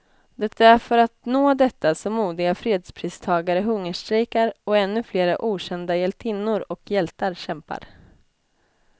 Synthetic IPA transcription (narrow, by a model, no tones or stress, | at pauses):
d̪ɛt̪ʰːaæɾfœɾat̪noːd̪ɛt̪ːasɔmːuːd̪ɪɡafɾeːd̪spʰɾiːst̪ʰɑːɡaɾəɦɵŋːəʂt̪ɾɛkaɾɔɛnːɵfleːɾaʔuːɕɛnd̪ajɛlt̪ʰɪnːʊɾɔkʰjɛlt̪aɾɕɛmpa̰ɾ